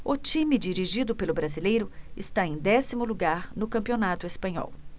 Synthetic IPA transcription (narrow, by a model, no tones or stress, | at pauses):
ʊt͡ʃĩmid͡ʒiɾiʒid̪ʊpelʊbɾazilejɾʊɪst̪aẽj̃d̪ɛsimʊluɡaɾnʊkɐ̃mpionat̪ʊespɐ̃ɲɔ̰w